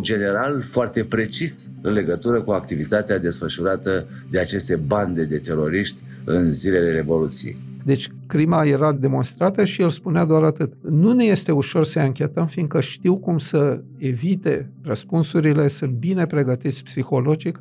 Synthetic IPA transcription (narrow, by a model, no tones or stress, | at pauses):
d͡ʒe̞ne̞ɾalfoart̪e̞pɾe̞t͡ʃis | ɨnle̞ɡət̪uɾəkuakt̪ivit̪at̪ead̪e̞sfəʃuɾat̪ə | d̪eat͡ʃe̞st̪e̞band̪e̞d̪e̞t̪e̞ɾo̞ɾiʃt̪ʲ | ɨ̰nzile̞le̞ɾe̞vo̞lut̪sijḛ | d̪e̞t͡ʃʲ | kɾimaje̞ɾad̪e̞mo̞nst̪ɾat̪əʃielspunead̪oaɾat̪ɨt̪nuneje̞st̪e̞uʃo̞rsəeaŋkʲe̞t̪əmfind̪kəʃt̪iwkumsə | e̞vit̪e̞rəspunsuɾile̞sɨnt̪̚bine̞pɾe̞ɡət̪it̪sʲpsixo̞lo̞d͡ʒik